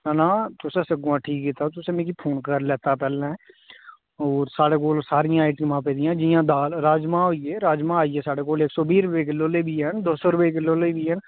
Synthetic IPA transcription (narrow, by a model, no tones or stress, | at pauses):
nãːt̪ʊsẽːsəɡãːʈʰiːkɦit̪at̪ʊsẽːmẽːkipʰoːnkəɾlɛːt̪apɛːlã | ɔːɾsaːɽeːk̬oːlsaːɾɪjãːaɪʈimãːp̬eːd̪ɪjãːd͡ʒɪjãːd̪aːlɾaːd͡ʒmãːɦoːiɛːɾaːd͡ʒmãːaːiɛːsaːɽeːkoːleːksoːbiːɾʊpeːk̬ɪlːoːlebʱiːɦɛnd̪oːsoːɾʊpek̬ɪlːoːleibiɦɛn